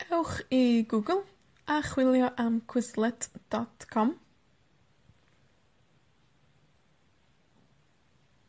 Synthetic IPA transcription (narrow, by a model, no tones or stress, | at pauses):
ɛwxiɡuːɡəlˠ | axwɪljɔʔamkʰwɪslɛtd̥ɔtkʰɔm